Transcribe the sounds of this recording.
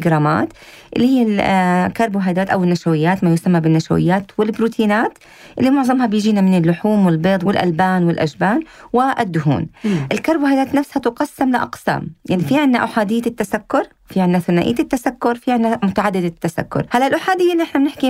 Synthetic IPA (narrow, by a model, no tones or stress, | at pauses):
ɡɾˤɑːma̰ːt̪ | ʔɪlːihɪjːalkɑɾˤbwɦajd̪aːt̪ʔawɪnːaʃawɪjːaːt̪majʊsamːabɪnːaʃa̰wɪ̰jːaːt̪wɪlbɾuːt̪ʰiːnaːt̪ | ʔɪlːimʊʕzˤɑmhabjɪʒiːnamɪnɪlːʊħuːmwɪlbeːd̪ˤwɪlʔa̰lbaːnwɪlʔaʒbaːnwɪʔɪ̰d̪ːʊɦṵːnʔɪlkɑɾˤbwhajd̪aːt̪nafshat̪ʊqɑsːamlɪʔɑ̰qsa̰ːmjaʕnifiːʕɪnːaʔaħaːd̪ɪjːat̪ːasakːʊɾˤ | fiʕɪnːaθanaʔɪ̰ːɪt̪ːasakːʊɾˤfiʕɪnːamʊt̪aʕad̪ːɪd̪ɪt̪ːasa̰kːʊ̰ɾˤhalːalʔʊħaːd̪ɪjːalːiʔɪħnamnɪħki